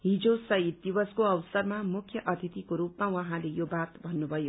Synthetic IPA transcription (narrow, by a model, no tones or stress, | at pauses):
ɦid͡zosʌit̪̚d̪ibʌskoʌwsʌrmamukʰjʌʔʌt̪ʰit̪ikoɾupmawʌɦãlejobat̪bʱʌnːubʱʌjo